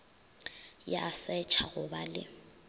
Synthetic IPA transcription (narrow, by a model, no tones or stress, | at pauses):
jasɛt͡ʃʰaɣʊbalɪ̰